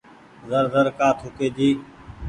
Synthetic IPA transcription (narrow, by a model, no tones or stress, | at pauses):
zəɾzəɾkaːt̪ʰʊkeːd͡ʒiː